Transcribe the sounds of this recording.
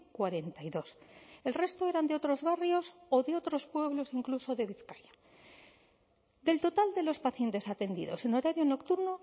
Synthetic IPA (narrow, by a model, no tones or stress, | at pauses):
kwaɾe̞nt̪ajðo̞se̞lre̞st̪oe̞ɾand̪eo̞t̪ɾo̞zβarjo̞so̞ðe̞o̞t̪ɾo̞spwe̞βlo̞siŋkluso̞ðe̞βiθkaja | d̪e̞lt̪o̞t̪ald̪e̞lospaθje̞nt̪e̞sat̪e̞nd̪ḭðo̞̰se̞no̞ɾaɾjo̞no̞kt̪uɾno̞